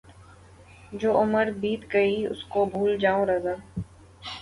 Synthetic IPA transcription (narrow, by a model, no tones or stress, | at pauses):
d͡ʒoːʔʊməɾbiːt̪ɡɐiʊ̰skobʱuːld͡ʒaːõɾɐzaː